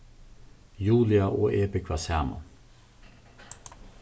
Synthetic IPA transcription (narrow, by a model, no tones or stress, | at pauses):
juːlɪɑʔoːʔeːbəkʰʋɑsæːmʊ̰